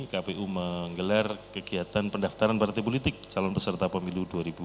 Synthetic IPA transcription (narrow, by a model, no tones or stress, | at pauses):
kapeʔuməŋɡəlarkəɡiat̪anpəndaft̪aɾanpart̪ɛp̬olit̪ɪk̚t͡ʃalɔnpəsərt̪apəmiluduaɾibu